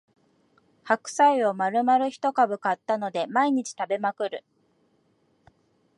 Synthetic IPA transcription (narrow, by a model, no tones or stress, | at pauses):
hakɯ̟̥saio̞maɾɯ̟maɾɯ̟çi̥t̪o̞kabɯ̟kat̪ːano̞d̪e̞maiɲ̟it͡ɕi̥t̪abe̞makɯ̟ɾɯ̟